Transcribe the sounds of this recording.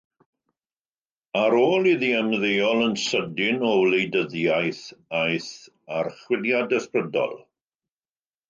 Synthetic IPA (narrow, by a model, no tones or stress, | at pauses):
aɾoːlˠiðiɛmðejɔlˠənsədɪnɔwlejdəðjajθajθ | arχwɪljadəsprədɔ̰lˠ